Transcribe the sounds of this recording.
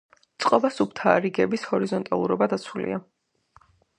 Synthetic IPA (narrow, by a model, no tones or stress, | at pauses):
t̪sʼqʼɔbasupt̪ʰaɾiɡɛbishɔɾizɔnt̪ʼalˠuɾɔbad̪at̪sʰulḭa